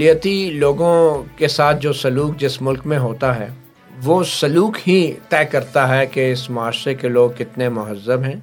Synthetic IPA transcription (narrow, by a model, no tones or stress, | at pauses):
lijət̪iloːɡõkesaːt̪̚ʰd͡ʒoːsɐluːk̚d͡ʒɪsmʊlkmẽɦoːt̪aɦɛ̰ː | ʋoːsɐluːkɦit̪ɛːkɐɾt̪aɦɛkeɪsmʊaːʃɾekeloːɡkɪt̪nemʊɦəzːəbɦɛ̃ː